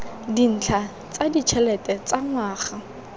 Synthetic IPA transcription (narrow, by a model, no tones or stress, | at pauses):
din̩t͡ɬʰa | t͡sʼadit͡ʃʰɛlɛtʼɛt͡sʼaŋwaːχa